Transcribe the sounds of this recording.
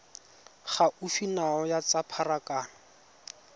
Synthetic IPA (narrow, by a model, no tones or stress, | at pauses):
χaʔufinaɔjat͡sapʰarakʼaːna